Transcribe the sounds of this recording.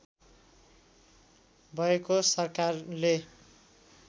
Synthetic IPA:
bʱʌekosʌrkarle

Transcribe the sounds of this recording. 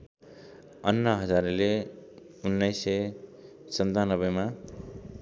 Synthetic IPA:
ʌnːʌɦʌd͡zaɾle | unːʌjsʌj | sʌnt̪anʌbʌjma

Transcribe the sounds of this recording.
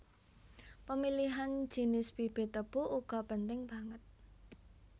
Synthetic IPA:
pəmiliɦan̥d͡ʒ̥i̤nɪsb̥ib̥e̤t̪əb̥uʔuɡ̥ɔ̤pənt̪ɪŋb̥a̤ŋət̪̚

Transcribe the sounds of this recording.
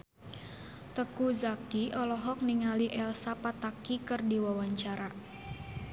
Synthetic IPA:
t̪əkuzakiʔɔlɔɦɔk̚niŋaliʔɛlsapat̪akikɨrdiwawaɲt͡ʃaɾa

